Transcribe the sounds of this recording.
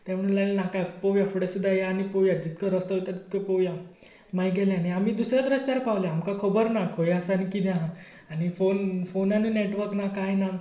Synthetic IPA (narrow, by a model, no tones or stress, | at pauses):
t̪jãməɽlajlnakapɔʋjafəɽesud̪ʱːajaːñipɔʋjad͡ʑit̪kəɾəst̪əot̪at̪i̥t̪̚kəpɔʋja | majɡʱɛljaniamiːd̪usɾjad̪ɾəst̪jaɾpaʋljaːmkakʰəbəɾnakʰojəsankid̪jã | anifonfonanineʈʋəɾknakajna